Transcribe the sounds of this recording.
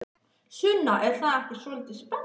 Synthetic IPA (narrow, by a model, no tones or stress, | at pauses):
sʏnːaʔɛɾ̥θaðɛhcɪ̥sɔlt̪ɪspɛn